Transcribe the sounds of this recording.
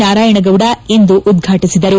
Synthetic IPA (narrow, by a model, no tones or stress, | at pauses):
aːɾaːjɐɳɐɡɐʋɽɐind̪uʔːd̪ɡʱaːʈisid̪ɐɾu